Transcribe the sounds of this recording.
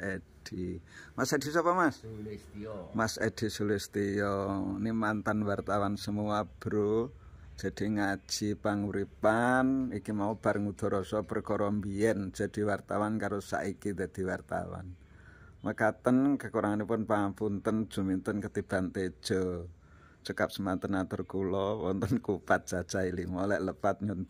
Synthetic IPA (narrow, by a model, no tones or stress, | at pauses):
ed̥imased̥i̤sɔpɔmas | mased̥isulɪst̪ijɔnimant̪anwart̪awansəmuab̥ɾo | d̥d͡ʒ̥a̤d̪̥i̤ŋḁʒ̥ipaŋuɾipanikimaub̥a̤ɾŋud̪̥ɔ̤ɾɔsɔpərkɔɾɔmbiɛn̥d͡ʒ̥a̤d̪̥i̤wart̪awankaɾosa̰ʔikid̪̥a̤d̪̥i̤wart̪a̰wa̰n | məkat̪ənkəkuɾaŋanipʊnpaampunt̪ənd̥ʒ̥ṳmint̪ənkət̪ib̥ant̪e̥ʒ̥ɔ | t͡ʃəkap̚səmant̪ənat̪ərkulɔwɔ̰nt̪ənkupat̪̚ʒ̥a̤̥ʒ̥ailiŋɔlɛʔləpat̪̚ɲun